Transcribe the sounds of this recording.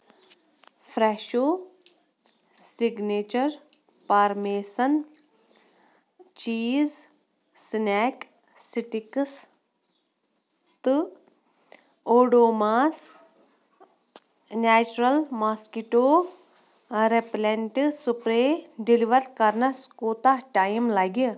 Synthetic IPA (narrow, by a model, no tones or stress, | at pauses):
fɾeːʃoː | sʈiɡneːt͡ʃɐɾ | pɐɾmeːsɐn | t͡ʃiːz | sneːk | siʈiks | t̪ɨ | oːɖoːmaːs | neːt͡ʃuɾɐlmaːskiʈoː | ɾepleɳʈsupɾeɖiliʋɐɾtkɐɾnɐskoːt̪aʈaːjimlɐɡi